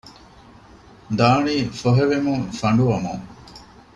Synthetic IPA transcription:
d̪aːɳiːfoɦeʋemuŋfɐɳɖuʋɐmṵŋ

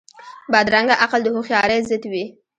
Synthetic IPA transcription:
bɑd̪ɾaŋɡaʔaqəld̪əhoxjɑɾezɪt̪wi

